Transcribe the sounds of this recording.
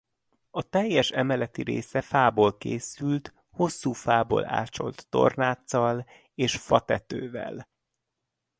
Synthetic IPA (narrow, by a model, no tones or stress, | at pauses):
ɒt̪ɛjːɛʃɛmɛlɛt̪iɾḛːsɛfaːboːlkeːsylt̪ | ho̞sːuːfaːbo̰ːla̰ːt͡ʃo̞̰lt̪ːo̞̰rnaːt̪sɒl | eːʃfɒt̪ɛt̪øːvɛ̰l